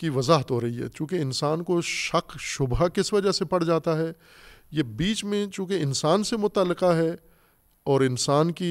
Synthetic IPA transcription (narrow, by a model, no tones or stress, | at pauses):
kiʋɐzaːɦət̪ɦoɾɐɦiɦɛ̰ːt͡ʃũːkeɪnsaːnkoʃɐqʃʊbakɪsʋɐd͡ʒəɦsepɐɽd͡ʒaːt̪aɦɛ | jebiːt͡ʃmẽt͡ʃũːkeɪnsaːnsemʊt̪aːlːɪqaɦɛ | ɔːɾɪnsaːnki